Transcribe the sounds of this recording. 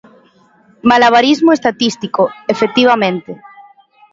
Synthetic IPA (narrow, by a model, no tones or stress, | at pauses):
malaβ̞aɾizmoest̪at̪ist̪ikoefek̚t̪iβ̞amẽnt̪e